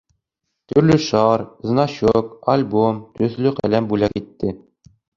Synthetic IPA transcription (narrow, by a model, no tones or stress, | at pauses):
t̪ɵ̆ɾlɵʃɑɾznɑɕokalʲbomt̪ɵ̆θlɵqæ̰læmbʉlækit̪ːɘ